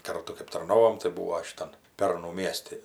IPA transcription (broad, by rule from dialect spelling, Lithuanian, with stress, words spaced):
ˈkɐrtʊ kɜp tɐrˈnoːʋoːm tɐɪ ˈbuːoː ʃʲɪˈtɐn ˈpʲɛrnʊ ˈmʲiɛsʲtʲɪ